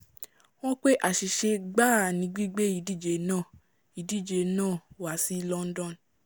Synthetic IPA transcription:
w̃ɔ̃˦k͡pe˦ʔa˨ʃi˨ʃe˧ɡ͡ba˦˨nĩ˧˦ɡ͡bi˦ɡ͡be˦i˨di˦˨d͡ʒe˨nãː˦˨ | i˨di˦˨d͡ʒe˨nãː˦˨wa˨si˨˦lɔ˧˦n̩˦dɔ̃˦˨n

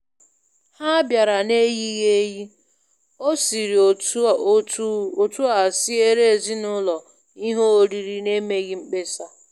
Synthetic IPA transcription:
ha˦bja˨ɾa˨ne˦ɣi˦ɣe˦ji˦ | o˦si˨ɾi˨o˨˦ | o˨tu˦a˨si˦e˦ɾe˦e˨zi˦nʊ˦lɔ˨ | i˦ɦo˦o˨ɾi˨ɾi˨ne˦me˨ɣi˦ŋ͡m̩˦k͡pe˦sa˦

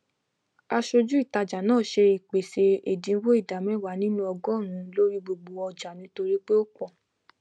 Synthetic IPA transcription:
a˧ʃo˧d͡ʒu˦i˦˨ta˧d͡ʒa˨nãː˦˨ʃe˧i˨k͡pe˨se˧e˨dĩ˨˦wo˦i˦˨da˨mɛ̃˨˦˨wa˨˦nĩ˦nũ˦ɔ˧ɡɔ˦˨ɾ̃ũ˧˦lo˦ɾi˦ɡ͡bo˧ɡ͡bo˧ɔ˧d͡ʒa˨nĩ˨˦to˧ɾi˦k͡pe˦o˦k͡pɔ˦˨

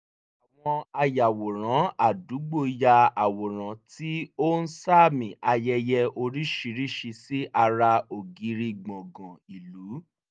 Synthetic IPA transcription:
a˨w̃ɔ̃˧a˧ja˨wo˨ɾ̃ã˨˦a˨du˨˦ɡ͡bo˦˨ja˧a˨wo˨ɾ̃ã˨˦ti˦o˦n̩˦sa˦˨mĩ˨ʔa˧jɛ˧jɛ˧o˧ɾi˦ʃi˧ɾi˦ʃi˧si˦ʔa˧ɾa˧o˨ɡi˨˦ɾi˧ɡ͡bɔ̃˨ɡã˨i˨lu˨˦

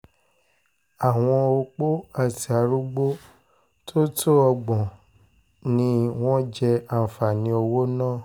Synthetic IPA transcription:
a˨w̃ɔ̃˧o˧k͡po˦a˦˨ti˨a˨˧ɾu˦ɡ͡bo˦ | tʰo˦tʰo˦ɔ˧ɡ͡bɔ̃˨ | nĩ˧˦w̃ɔ̃˦d͡ʒɛ˧a˨fa˨nĩ˧o˧wo˦nãː˦˨

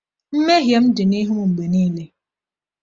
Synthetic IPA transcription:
m̩˦me˦ɦje˨m̩˦dɪ˨ni˦ɦu˦mu˨ŋ͡m̩˨ɡ͡be˨niː˦le˦

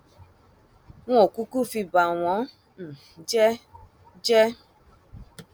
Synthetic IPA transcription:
w̃ɔ̃˦o˨ku˦ku˦˨fi˧ba˨w̃ɔ̃˨˦ | n̩˨ | d͡ʒɛ˦ | d͡ʒɛ˦

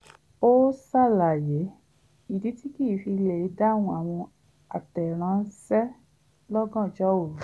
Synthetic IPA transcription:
o˦sa˦˨la˨je˨˦ | i˨di˨˦ti˦ki˦˨fi˧le˨i˨˦da˦˨w̃ɔ̃˧a˨w̃ɔ̃˧ | a˨tɛ˨ɾ̃ã˨˦n̩˦sɛ˦ | lɔ˦ɡɔ̃˦˨d͡ʒɔ˦o˦˨ɾu˨

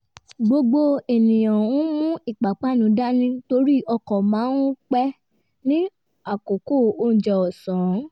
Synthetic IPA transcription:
ɡ͡bo˧ɡ͡bo˦e˨nĩ˨j̃ã˨ũ˦mũ˦i˦˨k͡pa˨k͡pa˦nũ˨˦da˦nĩ˦to˧ɾi˦ʔɔ˧kɔ˨mãː˨˦nũ˦k͡pɛ˦ | nĩ˦ | a˦˨ko˨ko˦˨o˧n̩˨d͡ʒɛ˨ɔ˨sã˨˦

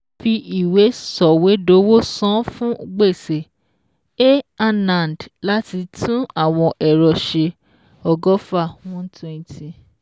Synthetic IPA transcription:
fi˧ʔi˨we˨˦sɔ˨we˨˦do˨˦wo˦sɔ̃˦fũ˦ɡ͡be˦˨se˨ | e˦a˧nã˨ndla˦ti˧tʰũ˦a˦˨w̃ɔ̃˧ʔɛ˨ɾɔ˨ʃe˧ | ɔ˧ɡɔ˦fa˦˨w̃ɔ̃˦n˦tʰwɛ̃˦˧ntʰi˨

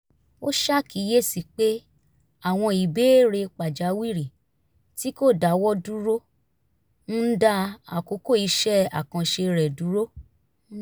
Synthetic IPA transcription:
o˦ʃa˦ki˨˦je˦˨si˨k͡pe˦ | a˦˨w̃ɔ̃˧i˨be˦ɾe˧k͡pa˨d͡ʒa˨˦wi˦˨ɾi˨ | ti˦ko˦˨da˨˦wɔ˦du˦ɾo˦ | n̩˦da˦a̰˨ko˨˦ko˦˨i˧˦ʃɛ˦˨a˨kã˧ʃe˧ɾɛ˨du˨˦ɾo˦

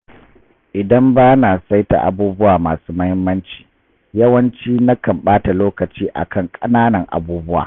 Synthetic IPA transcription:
ʔɪ˨dɐ˦mbaː˦na˨sa˦jta̰˨ʔa̰˨buː˦bʊ˦waː˨maː˨suː˦mɐ˦hɪ˦mːɐ˦nt͡ʃi̥ː˨ | jɐ˦wɐ˦nt͡ʃiː˦na˦kɐ˨mɓaː˦ta˨loː˦kɐ˨t͡ʃiː˦ʔa̰˨kʰɐ˦˨ŋkʼɐ˦naː˦nɐ˨ŋʔa̰˨buː˦bʊ˦wa̰ː˨

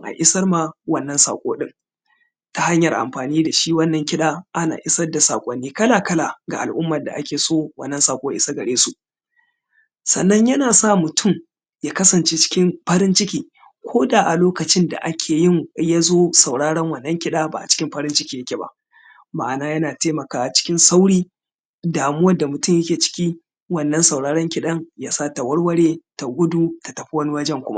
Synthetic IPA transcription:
ŋʔa̰˨ʔɪ˦sɐ˦rma˦wɐ˦˨nːɐ˦nsa̰ː˨kʷʼo̰ː˦ɗɪ˦ŋ | ta˨ha˦ɲjɐ˨rʔa̰˨mɸaː˨niː˦da˨ʃi˦wɐ˦nːɐ˨ŋkʲɪ˦ɗaː˦ʔa˦na̰ː˨ʔɪ˦sɐ˦da˨sa̰ː˨kʷʼɐ˦nːiː˦kɐ˦laː˨kɐ˦la˨ɡa˨ʔa̰˨lʔʊ˦mːɐ˨da̰˨ʔa˦kʲeː˨soː˦wɐ˦nːɐ˦nsaː˨kʷʼoː˦jɪ˦sa˦ɡɐ˨ɽeː˦su˨ʔ | sɐ̰˨nːɐ˦ɲjɐ˦naː˨saː˦˨mʊ˨tʰʊ˦˨m | jaː˦kɐ˦sɐ˨nt͡ʃeː˦t͡ʃɪ̥˦kʲɪ˦mɸɐ˦ɾɪ˦nt͡ʃɪ˦kʲiː˨ | kʷʰoː˦da˨ʔa˨loː˦kɐ˨t͡ʃɪ˦nda̰˨ʔa˦kʲʰeː˨jɪ˦ŋja˦zoː˦sa˨wɽaː˦ɽɐ˦ŋwɐ˨nːɐ˦ŋkʲɪ˦ɗaː˦ba̰˨ʔa̰˨t͡ʃɪ̥˦kʲɪ˦mɸɐ˦ɾɪ˦nt͡ʃɪ˦kʲiː˦˨jɐ˦kʲe˨ba̰˦ʔ | ma˦˨ʔa˨naː˦jɐ˦naː˨teː˦mɐ˨kaː˦ʔa˨t͡ʃɪ̥˦kʲɪ˦nsa˦wɽiː˦ | daː˨mʊ˦wɐ˦da˨mʊ˨tʊ˦mjɐ˦kʲeː˨t͡ʃɪ̥˦kʲi˦ | wɐ˨nːɐ˦nsa˨wɽaː˦ɽɐ˦ŋkʲɪ˦ɗɐ˦ŋjaː˦saː˦ta˨wɐ˦ɽwɐ˦ɽe˦ta˨ɡʷʊ˦du˦ta˨tɐ˨ɸi˦wɐ˦ni˦wɐ˦d͡ʒɛ˦˨ŋkʷʊ˦ma̰˦ʔ

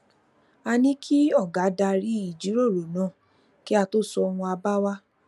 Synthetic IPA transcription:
a˧nĩ˦kʰi˦ɔ˦˨ɡa˨˦da˧ɾi˦i˦˨d͡ʒi˨˦ɾo˦˨ɾo˨nãː˨˦˨ | ki˦a˧to˦sɔ˧ɔ˧w̃ɔ̃˧a˧ba˦wa˦

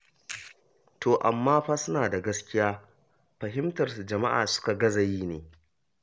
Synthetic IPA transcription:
toː˨ʔa̰˨mːaː˦ɸaː˦sʊ˦naː˨da˨ɡɐ˦skʲɪ˦jaː˦ | ɸɐ˨ɦɪ˦mtɐ˨rsu˨d͡ʒɐ˨ma˦ʔa̰ː˨sʊ̥˦ka˨ɡɐ˦zɐ˨jiː˦neː˨

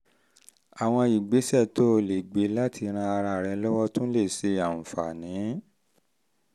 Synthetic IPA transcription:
a˨w̃ɔ̃˧i˨ɡ͡be˨˦sɛ˦˨to˦˨le˨ɡ͡be˨˦la˦tʰi˧ɾ̃ã˧a˧ɾa˧˨ɾɛ˧lɔ˦wɔ˦tũ˦le˦˨se˧a˨n̩˨fa̰˨nĩ˨˦

